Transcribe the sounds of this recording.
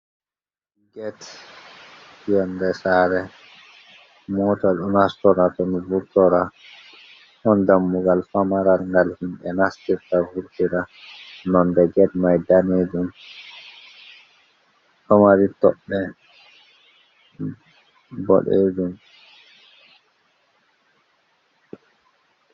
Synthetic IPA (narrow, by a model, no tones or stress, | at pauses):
ɡɛt | jɛndɛsaɾɛ | mɔtaɗunhastɔɾatɔnivuɾtɔɾa | hɔndamːuɡalfamaɾalŋɡalhimɓɛnastiɾtavuɾtiɾanɔmbɛɡɛdmajdaned͡ʒum | tɔmaɾitɔɗːɛ | bɔ̰ɗḛd͡ʒum